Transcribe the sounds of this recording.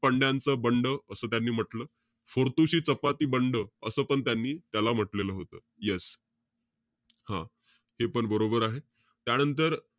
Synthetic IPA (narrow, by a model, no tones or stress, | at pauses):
pəɳɖjãnt͡səbəɳɖəəsəːt̪janːiːm̤əʈləː | foɾt̪uɕiːt͡səpat̪iːbəɳɖəəsəːpəɳt̪janːiːt̪jalam̤əʈleləːɦot̪əːjes | hã | hepəɳbəɾobəɾaɦe | t̪janənt̪əɾ